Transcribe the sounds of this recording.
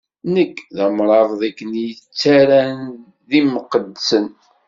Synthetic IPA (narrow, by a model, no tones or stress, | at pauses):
nəkːðæmɾˤɑðˤðækːənjət͡sːaɾæn | ðiməqəd̪sən